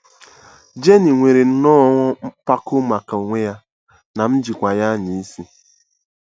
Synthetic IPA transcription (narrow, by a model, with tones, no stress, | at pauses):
d͡ʒe˦ni˨ŋʷe˨ɾe˨n̩˦nɔ˦ŋʷɔ˦pa˦kʊ˦ma˨ka˨o˨ŋʷe˦ja˦ | na˨m̩˦d͡ʒi˨kʷa˨ja˦ɲi˨i˦si˦